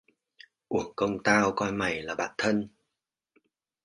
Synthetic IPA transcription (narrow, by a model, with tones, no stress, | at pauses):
ʔu˧˩əŋkə˧wŋ͡mt̪aː˧wkɔ˧jma˨˩jlaː˨˩ɓa̰ː˧˨nt̪ʰə˧n